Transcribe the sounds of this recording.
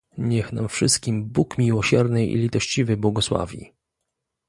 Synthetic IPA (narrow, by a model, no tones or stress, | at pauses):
ɲɛxna̰mfʂɘst̪̚kʲimbukmʲiwɔɕɛɾnɘḭlʲit̪ɔɕt͡ɕivɘbwɔɡɔswa̰vʲḭ